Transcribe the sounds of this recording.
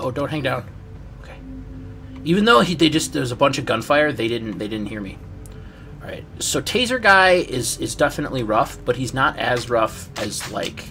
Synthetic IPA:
oʊdõʊ̃nhæ̃ŋdãʊ̃n | oʊkʰeɪ | ivɨ̃nðoʊiðeɪd͡ʒʌst̪̚ðə˞wʌzəbʌ̃nt͡ʃʌvɡʌ̃nfaɪə˞ðeɪɾɪdⁿn̩ðeɪdɪdⁿn̩thiɹmḭ | ɑɹa̰ɪt̚soʊtʰeɪzə˞ɡaɪʔɪzɪzdɛfɨnə̰ʔˡliɹʌfb̥ʌt̚hiznəɾɨ̰zɹʌfɨzla̰ɪk

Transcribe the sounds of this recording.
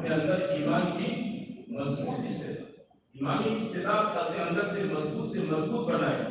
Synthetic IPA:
keɐ̃nd̪əɾiːmaːnkimɐzbuːt̪ɪst̪et̪a | iːmaːniɪst̪et̪aːd̚kɐt̪eɐ̃nd̪əɾsemɐzbuːt̪semɐzbuːt̪̚bɐnaːe

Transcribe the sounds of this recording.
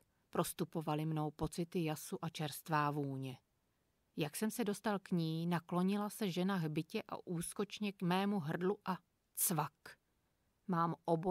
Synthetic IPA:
pɾost̪upo̞valɪmno̞wpo̞t͡sɪt̪ɪjasuʔat͡ʃɛɾst̪vaːvuːɲɛ | jaksɛmsɛdo̞st̪alkɲiːnaklo̞ɲɪlasɛʒɛnaɦbɪcɛʔa̰ʔuːsko̞t͡ʃɲɛkmɛːmuɦr̩dluʔa | t͡svak | maːmʔobo

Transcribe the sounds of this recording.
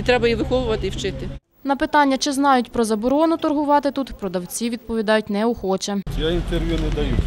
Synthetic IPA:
it̪ɾɛbɐjiʋɪxɔʋʊʋɐt̪ɪiwt͡ʃɪt̪ɪ | nɐpɪt̪ɑnʲːɐt͡ʃɪznɑjʊtʲpɾɔzɐbɔɾɔnʊt̪ɔrɦʊʋɑt̪ɪt̪ut̪pɾɔd̪ɐwt͡sʲiʋʲid̪̚pɔʋʲid̪ɑjʊtʲnɛʊxɔt͡ʃɛjaint̪erʋʲjunɛd̪ɐju

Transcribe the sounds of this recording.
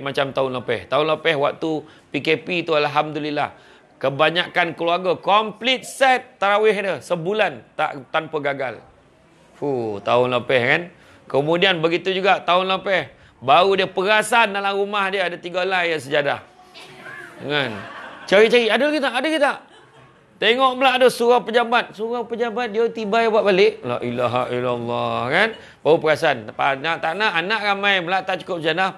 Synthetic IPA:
mat͡ʃamt̪aʊnləpɛht̪aʊnləpɛhwak̚t̪u | pikepit̪ualɦamd̪ulila̰h | kəbaɲakankəluarɡakɔmplɪt̪̚sɛt̪ːaɾawɪɦdəsəbulant̪a̰ʔt̪anpəɡaɡal | ut̪aʊnləpɛhkan | kəmudianbəɡit̪ud͡ʒuɡaʔt̪aʊnləpɛh | baɾudiəpəɾasandalaɾumahdiəadat̪iɡalajasəd͡ʒadah | ŋant͡ʃaɾit͡ʃaɾiʔadəlaɡit̪aʔːdəɡit̪aʔ | t̪eŋɔʔməlaʔadəsuɾapəd͡ʒabat̪̚suɾapəd͡ʒabat̪̚diot̪ibajbwaʔbalɪʔla̰ʔilaɦa̰ilalːɑhkan | baɾupəɾasanpanat̪aʔnaʔanaʔramãjməlaʔt̪aʔt͡ʃu̥kʊp̚səd͡ʒadah

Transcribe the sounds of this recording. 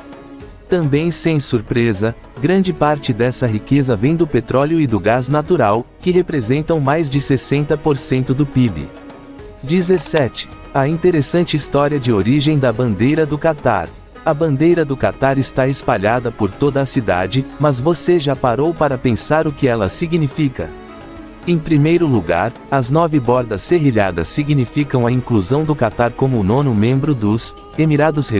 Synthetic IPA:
t̪ɐ̃bẽj̃sẽj̃suɾpɾezɐ | ɡɾɐ̃nd͡ʒɪpaɾt͡ʃɪd̪ɛsɐɦikezɐvẽj̃d̪ʊpet̪ɾɔljʊɪd̪ʊɡaznat̪uɾawkɪɦepɾezẽnt̪ɐ̃w̃majzd͡ʒɪsesẽnt̪ɐpoɾsẽnt̪ʊd̪ʊpibḭ | d͡ʒizesɛt͡ʃɪ̥ | ɐĩnt̪eɾesɐ̃nt͡ʃɪist̪ɔɾiɐd͡ʒɪoɾiʒẽj̃d̪ɐbɐ̃nd̪ejɾɐd̪ʊkat̪a̰ɾ | ɐbɐ̃nd̪ejɾɐd̪ʊkat̪aɾɪst̪aespaʎad̪ɐpoɾt̪od̪ɐːsid̪a̰d͡ʒɪmɐzvoseʒapaɾowpaɾɐpẽsaɾʊkɪɛlɐsiɡnifikɐ̰ | ẽj̃pɾimejɾʊluɡa̰ɾ | ɐznɔvɪbɔɾd̪ɐsːeɦiʎa̰d̪ɐ̰sːiɡnifikɐ̃w̃ɐĩkluzɐ̃w̃d̪ʊkat̪aɾkõmʊnõnʊmẽmbɾʊd̪ʊz | emiɾad̪ʊshe

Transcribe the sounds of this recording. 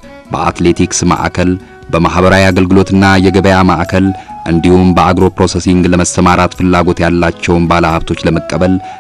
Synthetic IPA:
bə̰a̰t̪le̞t̪ʰiksma̰ʔa̰kʰəl | bəmaɦbəɾawiaɡəlɡɨlo̞t̪ɨnːajɛɡəβəjamaʔakʰəlʔɨnd̪ihumbəaɡɾo̞pɾo̞sesiŋɡləməst̪ʰəmaɾat̪fɨlːaɡo̞t̪jalːat͡ʃːɛwnbaləhaβt̪ʰo̞t͡ʃːləməkʼːəbəl

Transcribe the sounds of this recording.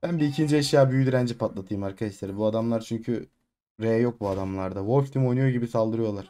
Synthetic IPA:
b̥ænbiːcʰind͡ʒɛiʃjaːbyjyd̪ʲyɾænd͡ʒipʰat̪lˠat̪ʰɯjɯmaɾkʰad̪aʃlʲˠeɾibuad̪amlˠaɾt͡ʃʰyɲcʰy | ɾejɛjo̞k̚buad̪amlˠaɾd̪avo̞lʲft̪ʰimo̞jnujoɟibisalˠd̪ɯɾɯjo̞lˠaɾ̥

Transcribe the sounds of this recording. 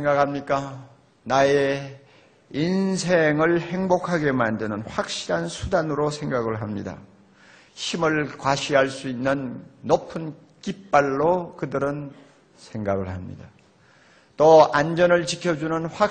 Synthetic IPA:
eŋɡakʰamɲik͈a | nae | insʰeŋɯɭhe̞ŋbokʰaɡe̞mandɯnɯnɸwak̚ɕ͈iɾansʰudanɯɾosʰe̞ŋɡaɡɯɭɦamɲḭda̰ | çimɯɭkwaɕʰiɦaɭs͈uinːɯnːopʰɯn | kip͈̚ːaɭːokɯdɯɾɯn | sʰe̞ŋɡaɡɯɭhamɲḭda | t͈oand͡ʑʌnɯɭt͡ɕikʰjʌd͡ʑunɯnɸwak̚

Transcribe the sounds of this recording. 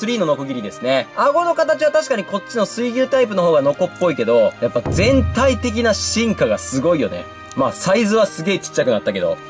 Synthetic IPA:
sɨɾʲiːno̞no̞koɡʲiɾʲid̪e̞sɨneaɡo̞no̞kat̪at͡ɕiβat̪aɕi̥kaɲ̟iko̞t͡ɕːino̞sɨiɡʲɯt̪aip̬ɯno̞ɦoːɡano̞ko̞pːo̞ike̞d̪o̞japːazẽ̞nt̪ait̪e̞k̬ʲinaɕĩŋkaɡasɨɡo̞ijo̞̰ne̞̰ | maːsaizɨβasɨɡe̞ːt͡ɕi̥t͡ɕːakɯ̟nat̪ːake̞d̪o̞̰

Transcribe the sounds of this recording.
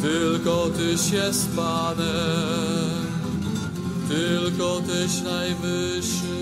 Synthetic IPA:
t̪ɘlkɔt̪ɘɕjɛst̪panɛ | m | t̪ɘlkɔt̪ɘɕnajvɘ | ʂ | ɘ

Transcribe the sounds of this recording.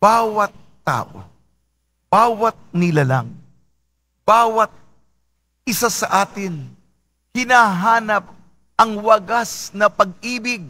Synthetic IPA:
baːwɐt̪̚ːa̰ːʔo̰ | baːwɐt̪̚nɪlalaŋ | b̥aːwɐt̪̚ | ʔɪsasɐʔaːt̪ɪn | hɪnaːɦaːnɐp̚ | ʔɐŋwɐɡasnɐpɐɡ̚iːbɪɡ̚

